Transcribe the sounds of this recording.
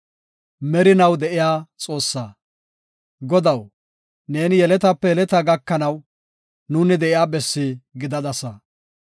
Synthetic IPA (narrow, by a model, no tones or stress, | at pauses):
mɛɾɪnɐwd̪ɛʔɪjaːt͡sʼo̞ːsːaː | ɡɔd̪ɐw | ne̞ːnɪjɛlɛt̪ɐpːɛjɛlɛt̪ɐɡɐkːɐnɐw | nunɪd̪ɛʔɪjaːbɛsːiɡɪd̪ɐd̪ɐsɐ